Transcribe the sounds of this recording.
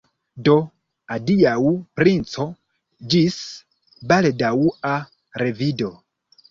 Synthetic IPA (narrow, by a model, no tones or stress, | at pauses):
do̞ | adiawpɾint͡so̞ | d͡ʒis | baldaua | ɾe̞vido̞